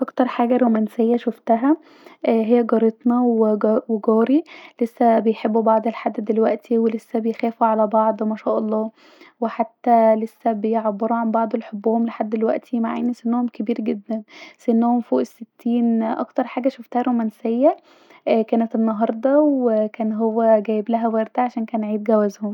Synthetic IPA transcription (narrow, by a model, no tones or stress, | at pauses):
ʔɑkt̪ɑɾˤħaːɡæɾomænsejːæʃoft̪æɦæ | ɦejːæɡɑɾet̪nɑeweɡɑːɾilesːæbejħebːubɑʕd̪ˤelħad̪ːd̪elwæʔt̪ʰiwelesːæbejxæːfuʕalæbɑʕd̪ˤmæʃæːʔɑlˤːɑː | weħat̪ːælesːæbejʕabːeɾuʕanbɑʕd̪ˤelħobːohomleħad̪ːelwæ̰ʔt̪ʰimaʕa̰ːnisenːohomkebiːɾɡed̪ːænsʔenːæhomfoːʔesːet̪ʰːiːnʔɑ̰kt̪ɑɾˤħaːɡæʃoft̪æhæɾomænsejːæ | kæːnæt̪enːɑɦɑɾˤd̪ˤɑwekæːnɦowːæɡæːjeblæɦæwæɾd̪aʕaʃæːnkæːnʕiːd̪ɡæwæzhom